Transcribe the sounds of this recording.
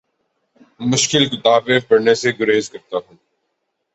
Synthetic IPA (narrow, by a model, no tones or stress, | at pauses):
mʊʃkɪlkɪt̪aːbẽpɐɽneseɡʊɾeːzkɐɾt̪aɦũː